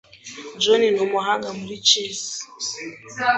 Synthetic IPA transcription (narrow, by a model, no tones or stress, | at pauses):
d͡ʒɔninɔmɔɦaɡamulit͡ʃɛs